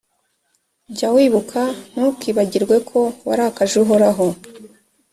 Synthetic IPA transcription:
bɟawiːβukʰanukiβaɟiɾɡwe̞kʰo̞waɾakaʒuɦoɾaɦo

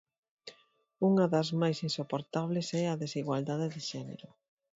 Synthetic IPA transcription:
uŋɐðɐzmajsinsopoɾt̪aβlesɛɐðesiɣwald̪aðeðɪʃɛnḛɾʊ

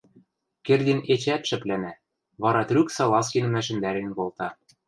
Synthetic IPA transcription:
kerd̪ʲinet͡ɕæt̪ʃɘ̆plænæ | βɑɾɑt̪rʲyksɑlˠɑskʲinɘ̆mæʃ̬ɘ̆nd̪æɾenkolt̪ɑ

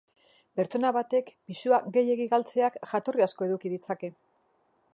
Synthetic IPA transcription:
pe̞ɾt͡ʃo̞naβat̪e̞kpisuaɡe̞je̞ɣiɣalt͡se̞akʝat̪o̞riasko̞e̞ðukiðit͡sake̞

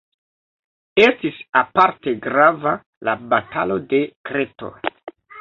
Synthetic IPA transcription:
e̞stisapaɾte̞ɡɾava | labatʰa̰lo̞de̞kɾeto̰

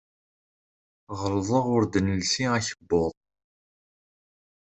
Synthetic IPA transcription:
ʁəɾðˤəʁʊɾd̪ənəlsiæçəbːʊðˤ

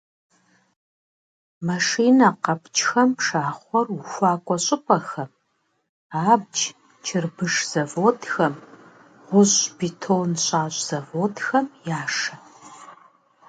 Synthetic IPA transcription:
mɐʂiːnɐqɐpʰt͡ʃʰʼxɐmʂaːχʷɔruxʷaːkʷʼɔɕʼɪpʷʼɐxɐm | aːb̚d͡ʒ | t͡ʃʰɪrbɨʂz̥ɐvoːtʰxɐm | ʁʷʊɕbitʰoːnɕʼaːɕʼz̥ɐvoːtxɐmjaːʂɐ

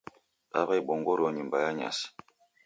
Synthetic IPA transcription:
a̰βajɓɔŋɡoɾoɲimbajaɲa̰s

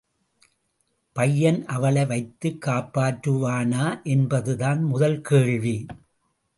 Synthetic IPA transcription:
pɐjːɐnʔɐʋɐɭɐɪʋɐɪt̪ːɯkːaːpːaːʈɾɯʋaːnaːʔɛnbɐðɯðaːnmʊðɐlkeːɻʋi

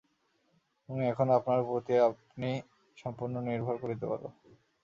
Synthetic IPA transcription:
uniɛkʰonapnaɾpot̪ieapni | ʃɔmpoɾnoniɾbʱɔɾkoɾit̪epa̰ɾbo̰

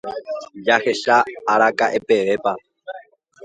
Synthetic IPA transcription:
jaxeʃaːɾakʼaʔepʼeʋepʼa

